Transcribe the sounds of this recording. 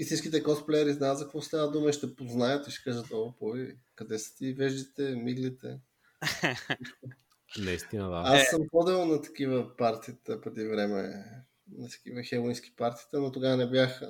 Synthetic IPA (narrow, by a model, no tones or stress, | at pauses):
isit͡ʃkit̪ɛkɔsplɛɛɾiznazɐkovɔst̪avəd̪uməiʃt̪ɛpoznajət̪iʃɛ̥kaʒət̪opovikɐd̪ɛsə̥t̪ivɛʒd̪it̪ɛmiɡlit̪ɛ̰ | iʃto | nɐist̪inəd̪aassːəmpɔd̪ɛlˠnɐt̪ɐ̥kivəpaɾt̪iːt̪əpɾɛd̪ivɾɛmɛ̰ | nɐt̪ɐ̥k̟ivəxɛlˠinsk̟i̥paɾt̪i̥ːt̪ənot̪oɡavənɛbjax